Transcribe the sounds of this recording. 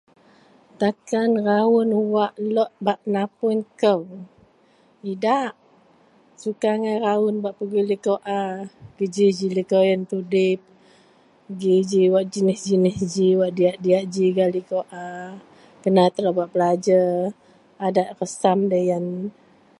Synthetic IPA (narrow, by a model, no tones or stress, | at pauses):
t̪akanraʊnuwaʔlɔʔ̚baʔnapʊnkəw | idaʔ | sukaŋajɾaʊnbaʔpəɡilikoʔaɡ̥əd͡ʒid͡ʒilikojənt̪udɪp̚ | əɡid͡ʒiwaʔd͡ʒənɪsd͡ʒinɪsd͡ʒiwaʔdiaʔdiaʔd͡ʒiɡalikoʔa | kənat̪əɾabaʔbəlad͡ʒə | adaʔ̪̚rəsamdəjan